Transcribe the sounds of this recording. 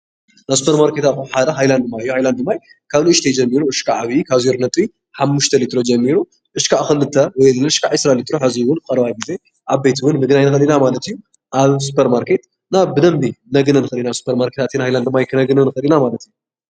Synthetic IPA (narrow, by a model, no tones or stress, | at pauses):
nasu̥pʰeɾmaɾkʰe̞t̪atkuħad̪ɐɦajland̪ɨmːaɨjːuhajland̪ɨmːaj | kʰaβluʔɨʃt̪ʰed͡ʒɐmːiɾuʔɨʃkʰaʔaβikʰaβzoɾnɐt̪ʼi | ħamːuʃt̪ʰɐlit̪ɾo̞d͡ʒɐmːiɾu | ʔɨʃkʰaʔxɨlɨt̪ʰːɐwɔjlɨɨʃkʰaʔɨsɾalit̪ɾo̞ħɨziwʊnkʼɐɾβajɡɨze | ʔaβbe̞t̪ʰiwʊnmɨɡnajnɨxɐlinamalɐt̪ɨjːu | ʔaβsu̥pʰeɾmaɾkʰe̞t̪ | naβbɨd̪ɐmbinɐɡɨnɐnɨxɨlinasu̥pʰeɾmaɾkʰet̪ʰat̪inhajland̪ɨmːajkʰɨnɐɡɨnɐnɨxɨlinamalɐt̪ɨjːu